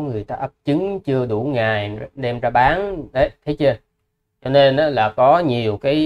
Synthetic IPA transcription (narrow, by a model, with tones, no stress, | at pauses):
ŋɨ˨˩əjt̪aː˧ʔə˦˥p̚t͡ɕɨ˨˦ŋt͡ɕɨ˧əɗu˧˩ŋaː˨˩jɗɛ˧mzaː˧ɓaː˨˦nɗə˨˦jt̪ʰe˨˦jt͡ɕə˧ | t͡ɕɔ˧ne˧nʔaː˨˥laː˨˩kɔ˨˦ɲi˨˩əwkaː˨˦